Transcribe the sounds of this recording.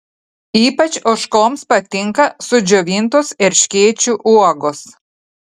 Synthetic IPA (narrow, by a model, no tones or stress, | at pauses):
iːpɐt͡ʃʲʊʃkoːmspɐt̪ʲɪŋkɐsʊd͡ʒʲɔʋʲint̪oːsɛɾʲʃʲkʲeːt͡ʃʲuʔuɔɡoːs